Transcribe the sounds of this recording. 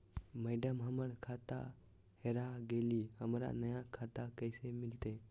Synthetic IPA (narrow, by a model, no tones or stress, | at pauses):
mɛːɖəmɦəməɽkʰaːt̪a̰ | heɾaɡeːlihəmɾa̰nəjakʰat̪akəɪsemɪlt̪e